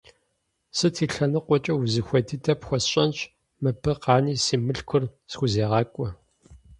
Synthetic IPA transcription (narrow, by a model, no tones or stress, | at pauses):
sɨtʰiːɬɐnɨqʷɔt͡ʃʼɐwzɨxʷɐdʰitʰɐpxʷɔsɕʼɐnt͡ʃʼ | mɨbʰɨqɑːniːsiːmɨɬkʷʰʊrsxʷʊzeːʁɑːkʷʼɔ